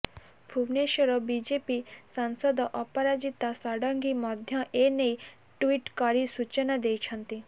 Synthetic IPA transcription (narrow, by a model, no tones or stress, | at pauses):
fʰuʋneʃɔɾɔbid͡ʒepisansɔd̪ɔʔɔpɔɾad͡ʒit̪asɔɽɔŋɡimɔd̪ʱjɔʔenej | ʈʋiʈkɔɾisut͡ʃɔnad̪ejt͡ʃʰɔnt̪i